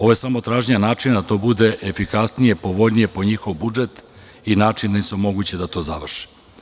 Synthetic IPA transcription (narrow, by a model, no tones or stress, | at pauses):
o̞ʋoje̞samo̞t̪ɾaːʒɲanaːt͡ʂind̪at̪o̞ːbud̪e̞ʔefikasnije̞po̞ʋo̞ʎnije̞po̞ɲixo̞ʋbud͡ʒet̪ | inaːt͡ʃind̪aisomo̞ɡut͡ɕed̪at̪o̞ːzaʋr̩ʃi̥